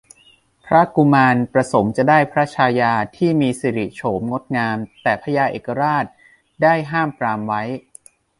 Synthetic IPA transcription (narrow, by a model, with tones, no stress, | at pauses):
pʰɾa˦˥ku˧maː˧npɾa˧so˩˦mt͡ɕa˨˩daː˥˩jpʰɾa˦˥t͡ɕʰaː˧jaː˧t̪ʰiː˥˩miː˧si˨˩ɾi˨˩t͡ɕʰoː˩˦mŋo˦˥t̪̚ŋaː˧mt̪ɛː˨˩pʰa˦jaː˧ʔeː˨˩kːa˧ɾaː˥˩t̪̚ | daː˥˩jɦaː˥˩mpɾaː˧mwa˦˥j